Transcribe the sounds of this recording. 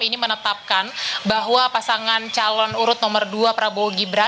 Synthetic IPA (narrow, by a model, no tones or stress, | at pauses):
inimənət̪ap̚kanbaɦwapasaŋant͡ʃalɔnuɾʊt̪̚nɔmərduapɾaboɡibəɾa